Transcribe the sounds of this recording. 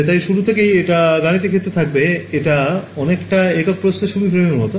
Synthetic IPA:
t̪ajʃuɾut̪ʰekejeʈaɡanit̪̬ikʰet̪ːɾet̪ʰak̚beeʈaɔnekʈaekok̚pɾosneʃuɽufʰeenmɔt̪o

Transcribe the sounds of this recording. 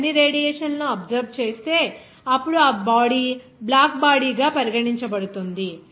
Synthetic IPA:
ɐnːiɾeːɽijɛːʂɐnloːɐbzɐɾʋt͡ʃe̞ːst̪e̞ː | ɐpːuɽuaːbaːɽiːblaːkbaːɽiːɡaːpɐɾiɡɐʈiɲt͡ʃɐbɐɽut̪und̪i

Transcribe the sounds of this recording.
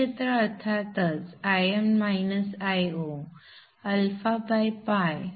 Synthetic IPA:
et̪ɾəət̪ʰat̪ət͡sajemmajnəsajo | əlfabajpaj

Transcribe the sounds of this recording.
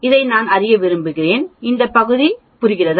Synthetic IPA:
ɪðɐɪnaːnɐrɪjɐʋɪɾɯmbɯɣɪreːnɪnd̪ɐpːɐɣɯði | pʊɾɪɣɪrɐð

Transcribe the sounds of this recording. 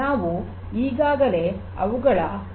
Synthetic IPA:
aːʋu | iːɡaːɡɐle̞ | ɐ̰ʋuɡɐɭɐ

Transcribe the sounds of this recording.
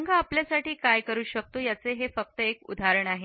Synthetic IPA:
ŋɡaapljasaʈiːkajkəɾuːɕək̚t̪oːjat͡seɦefək̚t̪əekṵd̪ʱaɾəɳaɦe

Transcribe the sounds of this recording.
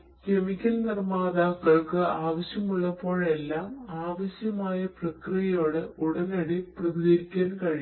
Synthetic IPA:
ke̞mikʲːɐlnirmaːðaːkːɐɭkɨaːʋɐɕjɐmuɭːɐpːo̞ːɭe̞lːaːmaːʋɐɕjɐmaːjɐprɐkrijɐjo̞ːɽɨuɽɐnɐɽiprɐðiɡɐɾikʲːaːnkɐɻi

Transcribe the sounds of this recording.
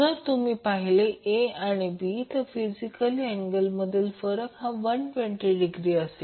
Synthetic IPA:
əɾt̪umiːpaɦileʔeaɽ̃ibit̪əfid͡ʑikəlieŋɡəlməd̪ʱiːlfəɾəkɦãʋənpeɳʈeɖiɡɾiːəse

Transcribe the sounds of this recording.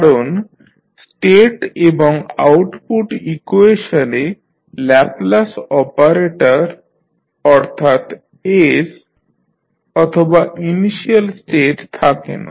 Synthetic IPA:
kaɾon | sʈeʈeboŋa̰wʈpuʈikueʃane | lɛplasɔpaɾeʈaɾ | ɔɾt̪ʰat̪ | es | ɔt̪ʰobaʔiniʃialsʈeʈt̪ʰakḛna̰

